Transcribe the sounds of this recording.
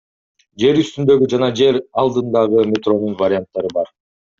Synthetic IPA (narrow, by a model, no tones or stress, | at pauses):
d͡ʒe̞ɾyst̪ynd̪ø̞ɡyd͡ʒɑnɑd͡ʒe̞ɾɑlˠd̪ɯnd̪ɑʁɯmʲet̪ro̞nunvaɾʲɪant̪ːɑɾɯbɑɾ